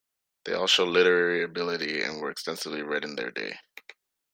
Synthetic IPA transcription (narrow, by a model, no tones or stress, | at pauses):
ðeɪɔlˠʃoʊlɪɾə˞ɛɹiɨbɪlˠɨɾiɨ̰̃nwə˞ɨkstɛ̃nsɨvliɹɛɾ̃n̩ðə̰˞dḛɪ